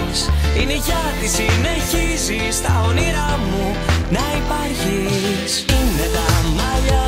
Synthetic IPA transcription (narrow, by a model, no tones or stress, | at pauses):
sineʝɐt̪isine̞çizist̪ɐoniɾɐmu | nɐipɐɾçi | sinet̪ɐmɐʎɐ